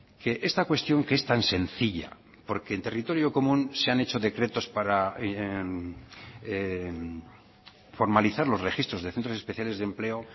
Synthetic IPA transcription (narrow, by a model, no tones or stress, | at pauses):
ke̞ʔe̞st̪akwe̞st̪jo̞ŋkest̪anse̞nθiʎa̰ | po̞ɾke̞ːnt̪e̞rit̪o̞ɾjo̞ko̞mũnse̞ane̞t͡ʃo̞ðe̞kɾe̞t̪o̞spaɾa | fo̞ɾmaliθaɾlo̞zrexist̪ɾozðe̞θent̪ɾosespeθjale̞zðemple̞o